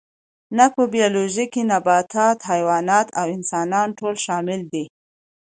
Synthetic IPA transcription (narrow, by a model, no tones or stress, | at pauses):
napəbijaloʒikinabɑt̪ʰɑt̪hajwɑnɑt̪awɪnsɑnɑnʈolʃɑmɪld̪i